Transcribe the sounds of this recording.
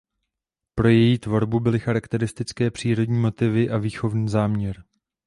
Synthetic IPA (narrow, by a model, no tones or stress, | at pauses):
pɾo̞jɛjiːt̪vo̞ɾbubɪlɪxaɾakt̪ɛɾɪst̪ɪt͡skɛːpr̝̥iːɾo̞dɲiːmo̞t̪ɪvɪʔaviːxo̞vniːzaːmɲɛɾ